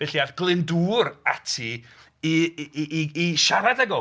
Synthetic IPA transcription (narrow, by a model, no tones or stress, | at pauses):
b̥ɛɬiaðɡ̥lˠɪnduːɾatʰi | iː | ʃaɾadɛɡɔ